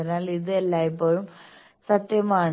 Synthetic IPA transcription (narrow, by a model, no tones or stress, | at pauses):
inːaːliðɨelːaːjip̬ːoːɻum | sɐt̪jɐmaːɳ